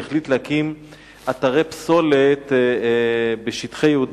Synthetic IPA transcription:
eχlit̪leakim | ʔat̪aʁepso̞let̪ | beʃitχejeud

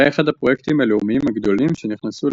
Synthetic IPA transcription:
eeχad̪apʁo̞jekt̪imaleumiimhaɡd̪o̞limʃeniχnasul

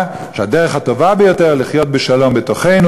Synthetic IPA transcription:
ʃeadeʁeχhato̞vabejo̞teʁliχjo̞t̪̚beʃalo̞mbeto̞χe̞jnu

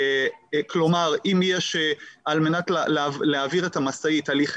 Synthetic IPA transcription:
klomaʁimjeʃealme̞natlleleaviʁetamasaitaliχ

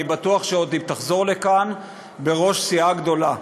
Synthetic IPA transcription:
ibat̪uaχʃeod̪imt̪aχzo̞ʁle̞kan | be̞ʁo̞ʃsiaɡd̪o̞la

